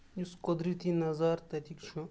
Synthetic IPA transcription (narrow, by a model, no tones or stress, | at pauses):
juskɔd̪ɾit̪inɐzaːɾt̪ɐɾikt͡ʃʰu